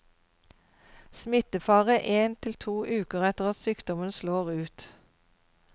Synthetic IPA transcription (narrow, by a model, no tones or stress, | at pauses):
smɪt̪əfɑːʁəʔeːnt̪ʰɪlt̪ʰuːʔʉːkəʁɛt̪əʁɑt̪syːkd̪ɔmənsloːʁʉːt̪